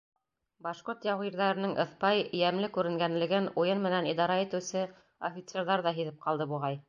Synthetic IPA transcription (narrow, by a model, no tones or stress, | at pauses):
bɑʃqoɾt̪jɑwʁiɾðæɾɘ̆nɤŋʔɤ̰̆θpɑjjæmlɘkʉɾɘ̆ŋɡænlɘ̆ɡɘnujɤnmɘ̆nænid̪ɑɾɑit̪ɘ̆wsɘ | ofʲit̪seɾðɑɾðɑɦiðɘp̚qɑlˠd̪ɤbuʁɑj